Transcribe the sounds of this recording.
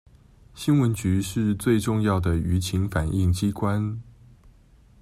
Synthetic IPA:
ɕi˥nwə˧˥nt͡ɕy˧˥ʂɻ̩˥˧t͡swe˥˧ɪʈ͡ʂʊ˥˧ŋjɑ˥˩ʊd̪ə˩y˧˥t͡ɕʰi˧˥ŋfa˨˩ni˥˩ŋt͡ɕi˥kwa˥n

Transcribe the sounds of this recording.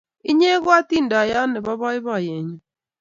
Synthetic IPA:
i˦ɲe˦ɣwa˦tiː˦nda˨ja˦ne˨βa˦βa˦i˦βa˨je˨ɲa˨

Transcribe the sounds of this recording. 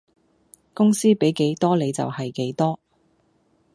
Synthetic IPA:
kʊ˥ŋsiː˥pe˨˥jke˨˥jt̪ɔː˥le˨˧jt͡sɐ̰˨whɐ˨jke˨˥jt̪ɔː˥

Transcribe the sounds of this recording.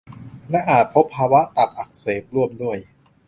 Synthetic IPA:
lɛ˦˥ʔaː˨˩t̪̚pʰo˦˥pʰːaː˧wa˦˥ʔt̪a˨˩p̚ʔa˨˩k̚seː˨˩p̚ɾu˥˩əmdu˥˩əj

